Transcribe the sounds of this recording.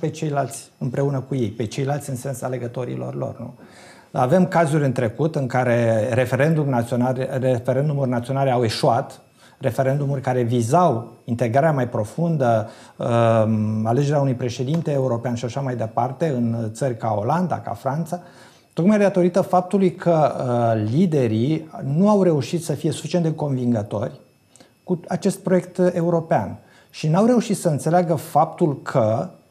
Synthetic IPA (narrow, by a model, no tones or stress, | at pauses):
pe̞t͡ʃe̞jlalt̪sʲɨmpɾe̞unəkuje̞jpe̞t͡ʃe̞jlalt̪sʲɨnse̞nsale̞ɡət̪o̞ɾḭlo̞̰rlo̞̰rnṵ | a̰vemkazulʲɨnt̪ɾe̞kut̪ɨŋkaɾe̞ɾe̞fe̞ɾe̞nd̪umnat̪ionaefeɾe̞nd̪umurʲnat̪sio̞nale̞awe̞ʃuat̪ | re̞fe̞ɾe̞nd̪umurʲkaɾe̞vizawint̪e̞ɡɾaɾeamajpɾo̞fund̪ə | ale̞d͡ʒe̞ɾeaunujpɾe̞ʃe̞d̪int̪e̞ːuɾo̞peanʃiaʃamajd̪e̞part̪e̞ɨnt̪sərʲkao̞̰land̪a̰ka̰fɾant̪sa | t̪o̞kmajd̪at̪o̞ɾit̪əfap̚t̪ulujkʰəlid̪e̞ɾinuawɾe̞uʃit̪səfije̞su̥fit͡ʃieneko̞nviŋɡət̪o̞̰rʲ | kuat͡ʃe̞st̪̚pɾo̞jek̚t̪e̞uɾo̞pea̰n | ʃinawɾe̞uʃit̪səɨnt̪seleaɡəfap̚t̪ulkʰə